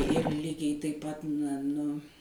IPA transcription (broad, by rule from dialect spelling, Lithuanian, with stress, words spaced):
ɪr ˈlʲiːɡʲɛɪ tɐɪp ˈpɐt nɐ nʊ